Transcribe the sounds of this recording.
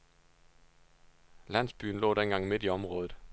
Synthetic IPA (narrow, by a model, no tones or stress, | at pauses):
læn̰sb̥y̰ːn̩lɔ̰ːdenɡ̥ɑ̈ŋ̰me̝d̥iɒ̽mʁɔ̽ːðð̩ˠ